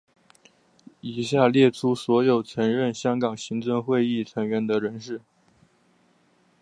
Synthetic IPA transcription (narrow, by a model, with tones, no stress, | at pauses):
i˨˩ɕja˥˧ljɛ˥˩ʈ͡ʂʰu˥swɔ˧˥jo˨˩ʊt͡sʰɤ˧˥ŋɻə˥˩nɕjɑ˥ŋkɑ˨˩ŋɕi˧˥ŋt͡sə˥˧ŋxwe˥˧ɪi˥˩t͡sʰɤ˧˥ŋɥɛ˧˥nd̪ə˧ɻə˧˥nʂɻ̩˥˩